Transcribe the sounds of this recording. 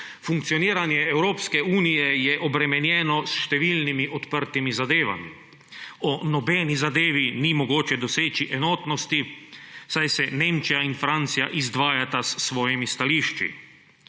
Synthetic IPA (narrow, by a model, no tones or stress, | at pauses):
fuŋk̚t̪sijoniːɾanjɛɛwɾoːpskɛuːnijɛjɛʔɔbɾɛmɛnjɛːnɔsʃt̪ɛʋiːlnimiʔɔt̪pəɾt̪imizad̪eːʋa̰mḭ | ɔnɔbɛːnizad̪eːʋinimɔɡoːt͡ʃɛd̪ɔseːt͡ʃiʔɛnoːt̪nɔst̪isajsɛneːmt͡ʃijainfɾant̪sijaʔizd̪ʋaːjat̪asːʋɔːjɛmist̪aliːʃt͡ʃḭ